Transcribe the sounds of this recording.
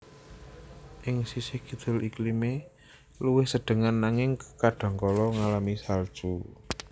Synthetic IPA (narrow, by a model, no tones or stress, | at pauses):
ʔɪŋsisɪhɡ̥i̤d̪̥ʊ̤lʔiklime | luwɪhsəɖ̪̥ə̤ŋanːaŋɪŋkkaɖ̥a̤ŋkɔlɔŋalamisald̥ʒ̥u